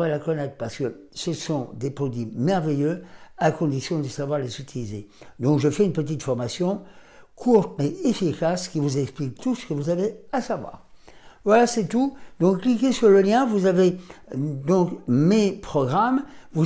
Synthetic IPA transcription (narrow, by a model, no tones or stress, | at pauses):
ʁelakɔnɛt̪χpaʁsə̥kə | səsɔ̃d̪epχɔd̪ɥimɛʁvejøakɔ̃d̪isjɔ̃d̪əsavwaʁlezyt̪ʰilized̪ɔ̃kʒəfɛynpət̪̬it̪fɔʁmasjɔ̃ | kʰuʁt̪meefikʲaskʲivuzɛksplik̚t̪usə̥kəvuzaveasavwa̰ːʁ | vwalasɛt̪ud̪ɔ̃kːlik̬ʲesyʁləljɛ̃vuzave | d̪ɔ̃kmepχɔɡʁamvu